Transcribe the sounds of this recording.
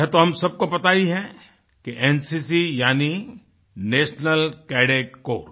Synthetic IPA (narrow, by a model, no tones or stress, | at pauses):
ɛt̪oɦɐ̃msɐb̚kobɐt̪aːiɦɛ̃ | keʔɛnsisijaːni | neːʃnəlkɛːɖeːkko̰ːɾ